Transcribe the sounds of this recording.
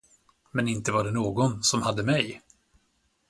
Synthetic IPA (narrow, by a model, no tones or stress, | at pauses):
mɛnɪnt̪əvaɖɛnoːɡɔnsɔmhad̪ːəmɛj